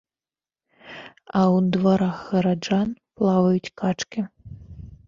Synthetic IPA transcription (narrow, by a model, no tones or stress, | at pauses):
ɐwd̪vaɾaxɣɐɾad͡ʐanplˠavɐjut͡sʲkat͡ʂkʲi